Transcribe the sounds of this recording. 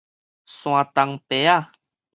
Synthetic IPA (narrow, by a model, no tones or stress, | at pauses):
sũat̪aŋpea